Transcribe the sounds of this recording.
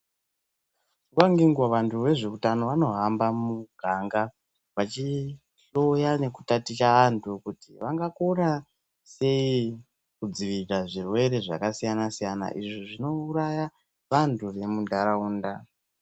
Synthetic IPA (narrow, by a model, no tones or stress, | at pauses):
uwaŋɡiŋɡwaʋantʰuʋe̞ʐe̞utano̞ʋano̞ɦambamuɡʱaŋɡa | ʋat͡ʃi | ɬojane̞ku̥tatit͡ʃaantʰukutiʋaŋɡakona | se̞i | kud͡ziʋiɾaʐirwe̞ɾe̞ʐa̰kasijanasijana̰ʔiʐiʐino̞uɾaja | ʋantʰuʋe̞mundaɾauːnda